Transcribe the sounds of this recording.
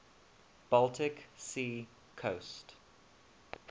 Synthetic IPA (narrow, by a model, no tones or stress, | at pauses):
b̥alˠtʰɪksiː | kʰoʊst